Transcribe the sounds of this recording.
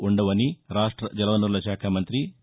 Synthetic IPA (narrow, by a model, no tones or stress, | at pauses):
uɳɖɐʋɐniɾaːʂʈɾɐd͡ʒɐlɐʋɐnuɾlɐʃaːkʰamɐnt̪ɾi